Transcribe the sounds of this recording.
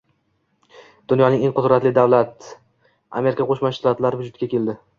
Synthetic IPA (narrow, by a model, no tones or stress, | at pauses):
d̪̥ʊnjɒnɪŋeŋqʊd̪ɾat̪lɪd̪avlat̪ | a̰me̞ɾɪkʰaqʰoʃmaʃt̪at̪laɾɪvʊd͡ʒʊt̪̚kʲakʲe̞ld̪ɪ